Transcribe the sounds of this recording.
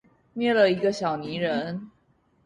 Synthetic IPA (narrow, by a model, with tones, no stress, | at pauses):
mjɛ˥˩lə˨i˧˥ɡə˧ɕjɑ˨˩ʊni˧˥ɻə˧˦n